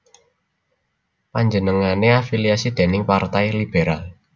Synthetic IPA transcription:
paɲd͡ʒənəŋaneafiliasid̪̥e̤nɪŋpart̪ajlib̥eɾal

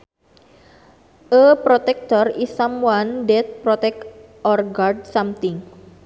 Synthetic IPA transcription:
ʔəpɾɔt̪ɛk̚t̪ɔrisamwandɛt̪̚pɾɔt̪ɛkɔrɡard̚samt̪ɪŋ

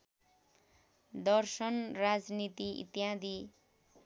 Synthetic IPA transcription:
d̪ʌrsʌnrad͡znit̪iḭt̪jad̪i

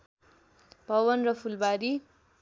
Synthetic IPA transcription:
b̥ʱʌwʌnrʌpʰulbaɾi

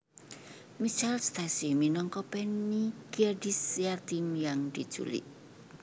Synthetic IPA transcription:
mit͡ʃalst̪asiminɔŋkɔpɛnikiardisiart̪imjaŋd̪̥id̥ʒ̥ṵlḭʔ̚

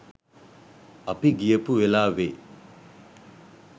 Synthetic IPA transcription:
ɐpiɡijəpuwelaːʋe

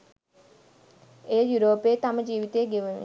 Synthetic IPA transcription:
eːjuɾoːpeːt̪aməd͡ʒiːʋit̪eːɡeʋunṵ

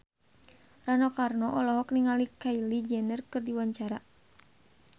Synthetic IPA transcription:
ranɔkarnɔʔɔlɔɦɔkniŋalikailid͡ʒɛnərkɨrdiwaɲt͡ʃaɾa

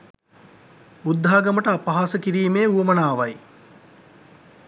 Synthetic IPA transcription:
ud̪ʱːaːɡɐməʈəapɐɦaːsəkiɾiːmeːuʋɐmɐnaːʋaj

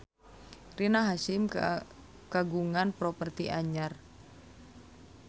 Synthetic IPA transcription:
rinaɦasɪm | kaɡuŋanpɾɔpərt̪iʔaɲar

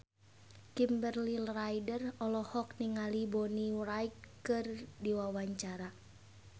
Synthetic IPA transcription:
kimbərlilrajdərɔlɔhɔk̚niŋalibɔnirait̚kɨrdiwawaɲt͡ʃaɾa

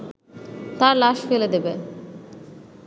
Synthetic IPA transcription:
t̪aɾlaʃfeled̪ebe

